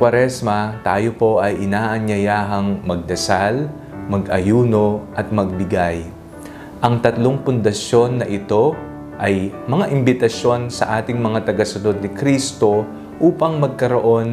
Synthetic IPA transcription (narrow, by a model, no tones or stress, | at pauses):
wɐɾɛsmɐt̪aːjo̞po̞ʔɐjʔɪnaːʔɐɲjɐjaːɦɐŋmɐɡ̚d̪ɐsal | mɐɡʔɐjuːno̞ʔɐt̪̚mɐɡ̚bɪɡaj | ʔɐŋt̪ɐt̪lo̞ŋpʊnd̪ɐsjo̞nːɐʔɪt̪o̞ | ʔɐjmɐŋaʔɪmbɪt̪ɐʃjo̞nsɐ̰ʔaːt̪ɪŋmɐŋat̪ɐɡɐsʊno̞d̪̚nɪkɾist̪o̞ | ʔuːpɐŋmɐɡ̚kɐɾoʔo̞n